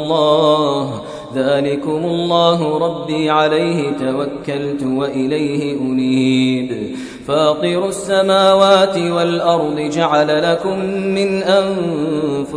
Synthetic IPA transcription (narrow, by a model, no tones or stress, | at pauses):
lˤːɑːh | ðaːlɪkʊmʊlˤːɑːɦʊɾˤɑbːiːʕalajhɪt̪awakːalt̪waʔɪlajhɪʔʊniːb | faːq̪iɾʊsːamaːwaːt̪ɪwalʔɑɾˤd̪ˤɨd͡ʒaʕalalakʊmːɪnʔanfʊ